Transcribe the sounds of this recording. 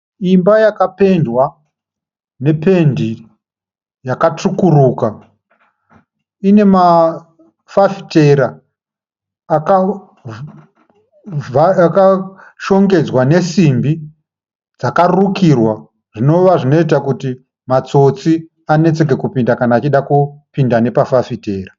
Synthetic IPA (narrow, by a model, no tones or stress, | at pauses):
imbajakape̞ndwa | ne̞pe̞ndi | jakat͡ʂukuruːka | ine̞ma | fafi̥te̞ɾa | ka | aka | ʃo̞ŋɡe̞d͡zwane̞simbi | d͡zakarukirwa | ʐ̥ino̞ʋaʐino̞it̬akuti | mat͡so̞t͡si | ane̞t͡se̞k̬e̞kupindakanaːt͡ʃiɗakupindane̞pafafite̞ːra